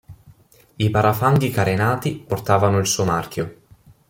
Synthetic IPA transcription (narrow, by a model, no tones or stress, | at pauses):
ipaɾʔafaŋɡikaɾenaːt̪iport̪aːvanoilsuːomark̟jo